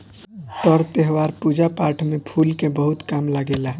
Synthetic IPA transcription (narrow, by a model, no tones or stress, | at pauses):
t̪əɾt̪eɦʋaɾpud͡ʒapaʈʰmepʰulkebəɦut̪kamlaɡela